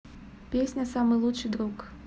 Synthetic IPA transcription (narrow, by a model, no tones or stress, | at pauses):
pʲesʲnʲɐsamɨlˠut͡ʂɨd̪ɾuk